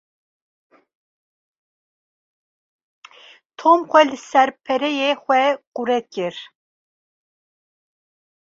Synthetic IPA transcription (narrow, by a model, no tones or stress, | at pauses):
t̪ʰomxʷɛlɨsɛɾpʰɛɾɛjexʷɛquɾɛt̪̚cɪɾ